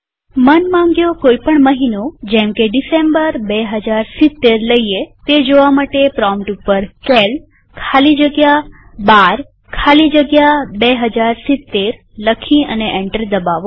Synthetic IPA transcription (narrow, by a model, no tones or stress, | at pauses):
mənmãŋɡjokoipəɳməɦinod͡ʒɛ̃mkeɖisembəɾbeɦəd͡ʒaɾsɪt̪ːeɾləiet̪ed͡ʒoʋamaʈepɾɔmʈupːəɾkɛl | kʰalid͡ʒəɡja | baɾ | kʰalid͡ʒəɡjabeɦəd͡ʒaɾsit̪ːeɾ | ləkʰiəneʔeɳʈəɾd̪əbaʋo